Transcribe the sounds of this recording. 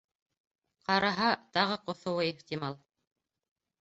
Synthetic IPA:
qɑɾɑɦɑt̪ɑʁɤqŏθŏwɤeχt̪imɑlˠ

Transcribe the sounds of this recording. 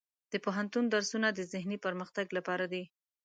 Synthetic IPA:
d̪̥əpoɦant̪und̪aɾsunad̪əzɪhnipəɾməxt̪aɡlapɑɾad̪i

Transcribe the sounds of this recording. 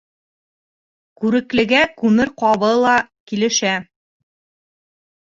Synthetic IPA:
kʉɾɘ̆klɘ̆ɡækʉmɘɾqɑβɤlˠɑkilɘ̆ʃæ

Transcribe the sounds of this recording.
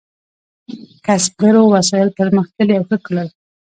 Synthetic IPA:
kasb̚ɡaɾowasɑjɪlt̪əɾməxt̪əleawxəkəlal

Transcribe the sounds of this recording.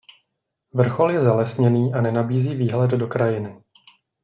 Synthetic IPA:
vr̩xo̞ljɛzalɛsɲɛniːʔanɛnabiːziːviːɦlɛddo̞kɾajɪnɪ

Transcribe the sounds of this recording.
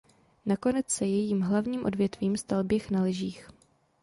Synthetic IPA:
nako̞nɛt͡ssɛjɛjiːmɦlavɲiːmʔo̞dvjɛt̪viːmst̪albjɛxnalɪʒiːx

